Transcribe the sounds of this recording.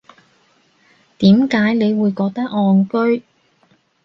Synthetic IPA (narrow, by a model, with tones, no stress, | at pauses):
t̪iː˨˥mkaː˨˥jne˨˧jwuː˨˧jkɔː˧k̚t̪ɐ˥k̚ɔː˧nkɵ˥ɥ